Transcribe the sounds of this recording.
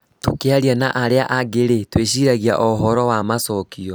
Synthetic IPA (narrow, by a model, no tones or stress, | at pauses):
tokeaɾianaʔaɾeaʔaɣeɾetweɕiɾaɣia̰ʔɔɦɔɾɔwamasɔkiɔ